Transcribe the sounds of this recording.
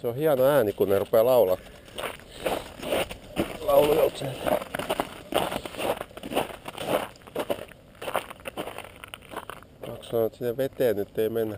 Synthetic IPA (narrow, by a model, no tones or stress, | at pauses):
seohiɑnoæːnikunnerupeːlɑulɑ | lɑulujolt̪se | kɑkssɑnoet̪sinːeʋʋet̪eːnnyt̪ːeimenːæ